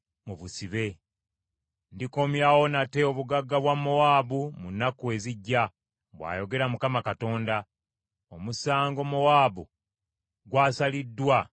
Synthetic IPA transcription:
muβusiβe̞ | ndiko̞mjawo̞nate̞oβuɡaɡːaβwamːowaːβumunːakue̞ziɟːa | βwa̰ːjo̞ɡe̞ɾamukamakato̞ːnda | omusaːŋɡo̞mowaːβu | ɡwaːsalidːwa

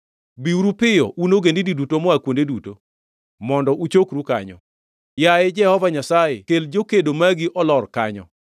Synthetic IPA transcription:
biuɾupɪjɔ̰ʔunoɡendididutomɔakwondeduto | mɔndɔʔut͡ʃokɾuka̰ɲɔ̰ | jaɪd͡ʒɛhɔvaɲasajɪkeld͡ʒokedomaɡiʔɔlɔrkaɲɔ̰

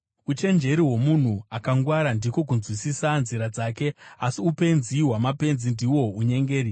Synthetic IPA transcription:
ut͡ʃe̞nd͡ʒe̞ɾiɦo̞mun̤uakaŋɡwaɾandiko̞k̬unzwisisanziɾad͡zaːke̞asiupe̞nziɦwamape̞nzindiwo̞uɲe̞ŋɡe̞ːɾi

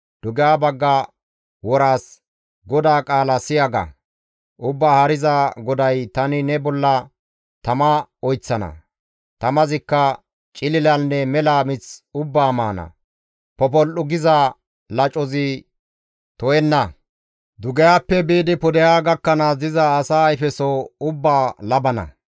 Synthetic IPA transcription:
d̪̥ʊɡɛjaːbɐɡːɐ | wɔɾaːs | ɡɔd̪aːkʼaːlɐsɪjaɡɐ̰ | ʔʊbːaːhɐɾɪzaɡɔd̪ɐjt̪ɐnɪnɛbɔlːɐ | t̪ɐmɐɔjt͡sːɐnɐ̰ | t̪ɐmɐzɪkːɐ | t͡ʃʼɪlɪlɐnːɛmɛlaːmɪt͡sʊbːaːmaːnɐ̰ | pɔp̬ɔlʔʊɡɪzɐ | lɐt͡ʃʼɔzɪ | t̪ɔjɛnːɐ | d̪ʊɡɛjaːpːɛbiːd̪ɪpɔd̪ɛjaːɡɐkːɐnɐd̪ɪzɐːsaːjfɛsɔʊbːaːlɐbɐnɐ̰

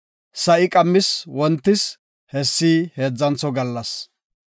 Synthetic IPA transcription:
sɐʔɪkʼɐmːɪswɔnt̪ːɪs | hɛsːiːhe̞ːd͡zːɐnt͡sːɔɡɐlːɐs

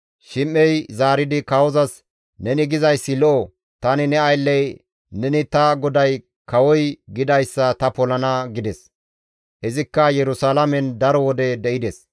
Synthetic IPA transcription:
ʃɪmːɛjzaːɾɪd̪ɪkɐwɔzɐs | nɛnɪɡɪzɐjsːɪlɔʔɔ | t̪ɐnɪnɛɐjlːɛj | nɛnɪt̪ɐɡɔd̪ɐj | kɐwɔjɡɪd̪ɐjsːɐt̪ɐpɔlɐnɐɡɪd̪ɛs | hɛzɪkːɐjɛɾʊsaːlɐmɛnd̪ɐɾɔwɔd̪ɛd̪ɛʔɪd̪ɛs

